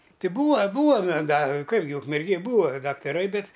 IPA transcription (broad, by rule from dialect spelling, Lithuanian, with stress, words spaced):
ˈtʲɪ ˈbuːɐ ˈbuːɐ mʲɛ ɡɐ ˈkɐɪp ɡʲɪ ʊkmʲɛrʲˈɡʲeːj ˈbuːɐ dɐktɐˈrɐɪ ˈbʲɛt